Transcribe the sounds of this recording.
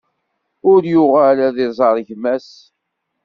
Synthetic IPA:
ʊɾjʊʁælæðɪzˤɑɾˤʝmæs

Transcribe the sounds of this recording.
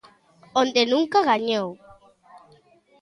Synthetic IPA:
ond̪enũŋkaɣaɲow

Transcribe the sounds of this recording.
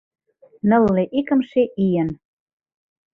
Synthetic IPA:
nə̆lːeʔikə̆mʃeʔijən

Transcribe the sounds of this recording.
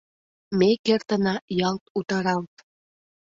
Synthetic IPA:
mekert̪ənɑjɑlt̪ut̪ɑɾɑlt̪

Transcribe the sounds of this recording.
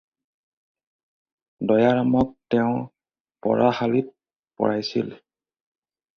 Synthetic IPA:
dɔjaɹamɔktɛʊ̃ | pɔ̰ɹahalit̚ | pɔ̰ɹajsḭl

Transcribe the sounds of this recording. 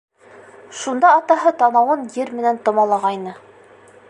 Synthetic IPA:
ʃund̪ɑːt̪ɑɦɤt̪ɑnɑwɤnjɘɾmɘ̆nænt̪ŏmɑlˠɑʁɑjnɤ

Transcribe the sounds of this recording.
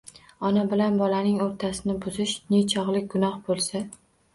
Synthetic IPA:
ɒnabɪlanbɒlanɪŋoɾt̪ʰasɪnɪbʊzɪʃnet͡ʃʰɒʁlˠɪk̚ʲɡʊnɒhbolˠsa

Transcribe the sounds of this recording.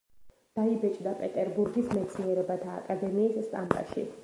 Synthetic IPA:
d̪̥aibɛt͡ʃʼd̪apʼɛt̪ʼɛɾbuɾɡismɛt̪sʰniɛɾɛbat̪ʰa̰ːkʼad̪ɛmiːsːt̪ʼambʼa̰ʃḭ

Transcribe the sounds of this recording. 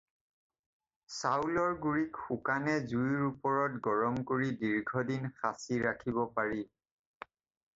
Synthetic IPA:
sawlɔɹɡuɹikxukanɛzujiɹupɔɹɔtɡɔɹɔmkoɹidiɹɡʱɔdinxasiɹakʰibɔpaɹi

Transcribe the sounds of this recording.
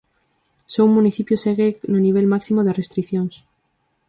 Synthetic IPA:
seumːuniθipjoseɣenoniβ̞elmaksimoðerest̪ɾiθjons

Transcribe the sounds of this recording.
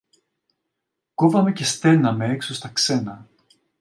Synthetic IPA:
kovɐme̞ce̞st̪e̞nɐme̞eksost̪ɐkse̞nɐ

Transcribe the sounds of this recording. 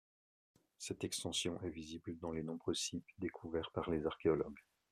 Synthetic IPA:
sɛt̪ɛkst̪ɑ̃sjɔ̃ʔɛvizibld̪ɑ̃lenɔ̃bʁøsipd̪ekʰuvɛʁpaʁlezaʁkʲeɔlɔ̰ɡ

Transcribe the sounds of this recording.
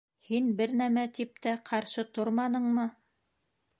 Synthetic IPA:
hinbɘɾnæmæt̪ip̚t̪æqʰɑɾʃɤt̪oɾmɑnɤ̆ɴmɤ

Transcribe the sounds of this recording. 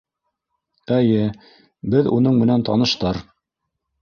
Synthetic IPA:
æjɘ | bɘðunɤɴmɘ̆nænt̪ɑ̰nɤ̆ʃt̪ɑɾ

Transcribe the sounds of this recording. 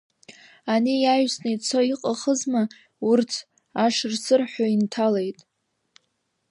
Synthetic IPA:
anijajsnejt͡sʰoiqʼaχəzma | urt͡sʰ | aʂrsɨrħʷᶣaintʰale̞jtʼ

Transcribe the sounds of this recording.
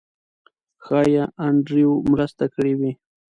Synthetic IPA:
xɑjaʔaɳɖɾiomɾast̪akɽiwi

